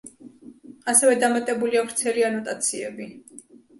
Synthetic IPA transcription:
asɛvɛd̪amat̪ʼɛbuliavɾt̪sʰɛlianɔt̪ʼat̪sʰiɛbi

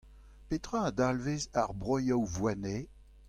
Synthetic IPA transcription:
pet̪ʁãad̪alvezaʁbʁɔjawvwane

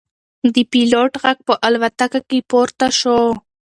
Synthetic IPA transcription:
d̪əpiloʈɣaɡ̚pəʔalwat̪akakepoɾt̪aʃo

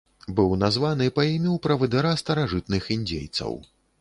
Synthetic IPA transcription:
bɨwnazvanɨpaimʲiwpɾɐvɨd̪ɨɾast̪ɐɾaʐɨt̪̚nɨxinʲd͡zʲḛjt̪sɐ̰w

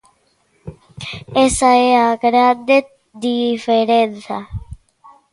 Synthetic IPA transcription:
esaeaːkəɾaːd̪e | d̪ifeɾenta

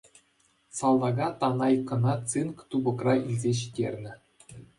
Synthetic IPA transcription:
sɑlˠːɑɡɑt̪ɑnɑjkːɤ̆nɑtt͡sɨnkt̪ubɤ̆krɑilʲzʲeɕi̥dʲerʲnʲɘ̆

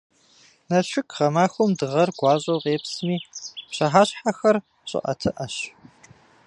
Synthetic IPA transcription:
nɐɕʷʊkʰʁɐmaːxʷʊmdɨʁɐrɡ̥ʷɑːʑʼowʁeːpsmiːpɕɐħaːɕħaxɐr | ɕʼɪ̰ʔɐ̰tʰɨʔɐɕ

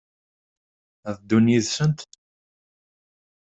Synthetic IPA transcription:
æðd̪unjiðsənt̪

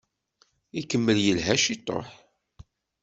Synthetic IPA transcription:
ikəmːəljəlɦæʃit̪ˤːo̰ħ

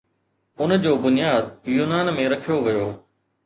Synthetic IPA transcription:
ʊnd͡ʑoːbʊnɪjaːd̪̚juːnaːnmẽɾɐkʰijoʋɐjoː

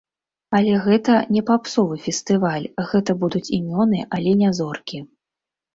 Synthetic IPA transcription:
ɐlʲɛɣɛt̪ɐnʲɛpapsɔvɨfʲɛst̪ɨvalʲɣɛt̪ɐbud̪ut͡sʲimʲɔnɨʔalʲɛnʲazɔrkʲi

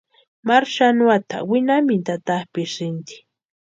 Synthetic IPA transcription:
maɾʃanʊat̪a̰wɪnamɪt̪at̪ahpɪʃɾɪnt̪i̥

